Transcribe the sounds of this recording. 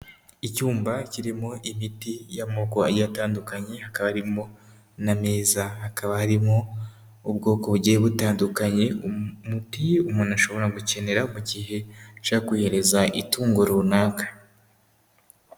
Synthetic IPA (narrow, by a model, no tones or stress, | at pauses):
icuːmbaciɾimo̞ʔimitijamo̞koa̰jataːndukaɲe̞hakaβahɾimo̞ | name̞ːzahakaβahaɾimo̞ | ub̚ɡo̞ːko̞βuɟijeβutaːndukaɲe̞umutiumonaʃo̞βo̞ɾaɡuce̞ne̞ɾamuɟiːɦe̞t͡ʃakwiːhe̞ɾe̞zaʔituːŋɡoɾuːnaːkḁ